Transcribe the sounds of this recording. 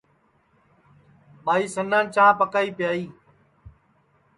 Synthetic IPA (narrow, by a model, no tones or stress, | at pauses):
ɓaːiːsənãːnt͡ʃãːpəkaːiːpɪjaːiː